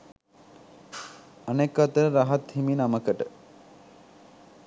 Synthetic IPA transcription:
anekːat̪əɾaɦat̪himinaməkəʈə

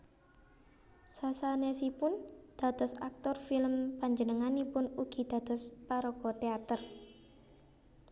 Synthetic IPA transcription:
sasanesipʊnd̪̥a̤t̪ɔsa̰k̚t̪ɔrfilmpaɲd͡ʒənəŋanipʊnuɡ̥i̤d̪̥a̤t̪ɔspaɾɔkɔt̪eat̪ər

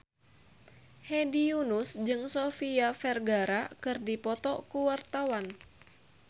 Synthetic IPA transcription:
hɛdiunusd͡ʒɨŋsofiafɛrɡaɾakɨrdipɔt̪ɔkuwart̪awan

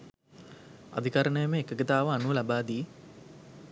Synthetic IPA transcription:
a̰d̪ikaɾəɳəjəməekəɡət̪aːʋəanulabaːd̪iː

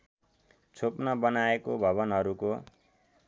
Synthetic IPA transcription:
t͡sʰopnʌbʌnaekobʱʌβʌnɦʌɾuko

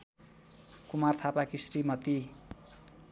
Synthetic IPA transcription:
kumart̪ʰapakisrimʌt̪i

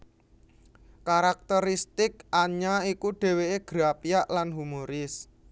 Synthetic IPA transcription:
kaɾak̚t̪əɾist̪ɪkaɲaikuɖ̥e̤weeɡ̥ɾapijaʔlanɦumoɾɪs

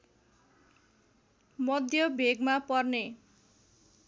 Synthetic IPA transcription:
mʌd̪ʱjʌbʱeɡmapʌrne

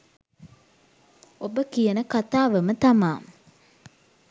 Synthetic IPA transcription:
obəkijənəkat̪aːʋəmət̪amaːm

